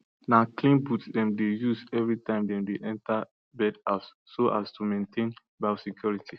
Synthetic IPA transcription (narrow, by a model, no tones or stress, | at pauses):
naklĩnbutdɛ̃mdejusɛvɹitãɪ̃mdɛ̃mdeʔɛ̃nta | bɛdasːoʔastumẽntʰẽn | basikjɔɹitʰi